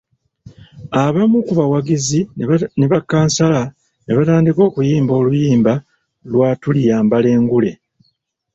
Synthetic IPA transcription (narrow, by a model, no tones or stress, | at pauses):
aβamukuβawaɡizineβakːaːnsala | neβataːndiko̞ːkujiːmbo̞ːlujiːmba | lwaːtulijaːmbale̞ːŋɡule̞